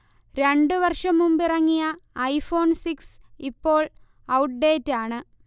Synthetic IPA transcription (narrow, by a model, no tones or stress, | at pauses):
ɾe̞ɳɖɨʋɐrʂɐmumbirɐŋːijɐːjfo̞ːnsiksipːo̞ːɭ | ɐwʈ̚ɖe̞ːtːaːɳɨ